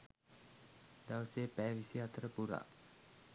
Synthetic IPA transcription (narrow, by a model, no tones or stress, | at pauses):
d̪awsepɛʋisiat̪əɾəpuɾa̰ʔ